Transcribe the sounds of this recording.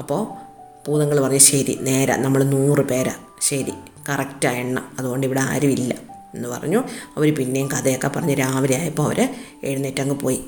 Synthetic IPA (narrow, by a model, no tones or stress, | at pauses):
ɐpːo̞ː | puːðɐŋːɐɭpɐrɐɲːuɕɐɾḭne̞ːɾɐ̰nɐmːɐɭnuːrɨpe̞ːɾɐ̰ | ɕɐɾi | kɐrɐktaːjeɳːɐ̰ɐðuɣo̞ːɳɖiʋiɽea̰ːɾuʋilːɐ | e̞nːɨpɐ̰rɐ̰ɲːuɐʋoɾupinːe̞jumkɐðejokːepɐrɐɲːuɾaːʋɐɾɐjaːjɐpːoːɐʋɐ̰ɾe | eɽunːetːɐŋɡɨpoːji